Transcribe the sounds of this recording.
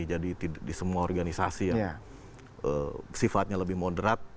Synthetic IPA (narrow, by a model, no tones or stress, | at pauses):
id͡ʒadit̪iadisəmuaorɡanisasija | əsifat̪̚ɲaləbɪhmodəɾat̪̚